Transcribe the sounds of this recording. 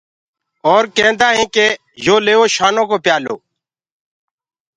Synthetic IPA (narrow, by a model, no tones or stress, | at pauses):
ɔːɾkɛ̃ːnd̪aːɦẽːkeː | joːleːoːʃaːnõːkoːpjaːlo̰ː